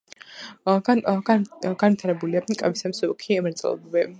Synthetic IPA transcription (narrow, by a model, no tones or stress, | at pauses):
aɡaɡanvit̪ʰaɾɛbuliakʼavisamsɔkʰiɛmɾɛt̪sʼɛ̰l̰ˠbbɛ